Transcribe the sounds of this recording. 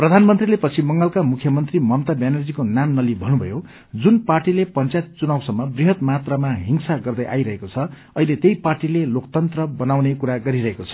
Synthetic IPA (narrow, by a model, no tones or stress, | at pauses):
prʌd̪ʱanmʌnt̪rilepʌt͡sʰimʌŋɡʌlkamukʰjʌmʌnt̪rimʌmt̪abjanerd͡zikonanːʌlibʱʌnubʱʌ̰jo | d͡zunparʈilepʌnt͡sajt̪̚t͡sunawsʌmːʌbriɦʌt̪mat̪rʌmaɦiŋsaɡʌrd̪ʌjʔa̰jɾʌɦekot͡sʰʌ | ʌilet̪ejparʈilelokt̪ʌnt̪rʌbʌnawnekuɾaɡʌɾiɾʌɦekot͡sʰʌ̥